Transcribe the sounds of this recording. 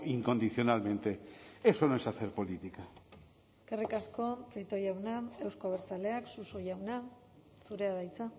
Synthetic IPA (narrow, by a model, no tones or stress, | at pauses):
iŋko̞nd̪iθjo̞nalmẽ̞nt̪e̞eso̞noesaθe̞ɾpo̞lit̪ika | kerikasko̞trit̪o̞ɾjawnae̞wskoaβeɾt͡sale̞aksuso̞jawna | suɾe̞aðajt͡sa